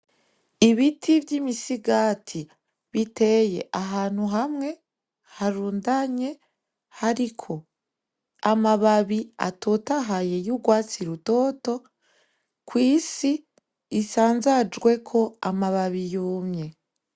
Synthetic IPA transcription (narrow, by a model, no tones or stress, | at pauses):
iβitʰivɟimisiɡatʰi | βite̞je̞̰ʔaɦaːnhuɦamŋe̞ | haɾuːndaɲe̞ | haɾikʰo̞ | amaβaβia̰tʰotaɦaje̞juɡwaːt͡siɾuto̞ːto̞ | kwiːsiː | saːnzad͡ʒɡwe̞kʰo̞amaβaβijuːmɲe̞